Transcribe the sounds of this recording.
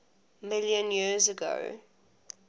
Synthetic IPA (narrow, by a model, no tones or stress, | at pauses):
mɪljə̃njizəɡo̰ʊ